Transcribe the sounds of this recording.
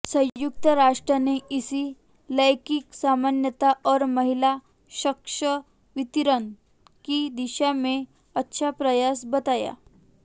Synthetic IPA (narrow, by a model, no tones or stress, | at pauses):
sə̃juk̚t̪əɾaʂʈɾaneʔisi | ləjkiːksamanjət̪aʔɔɾməɦila | ɕəkʂə | ʋit̪iɾən | kiːd̪iɕame | ətːɕʰapɾəjasbət̪aja̰